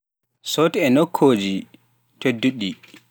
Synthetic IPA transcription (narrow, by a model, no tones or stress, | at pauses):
sɔtɛɛnokʰːoːd͡ʒi | tedːuɗːi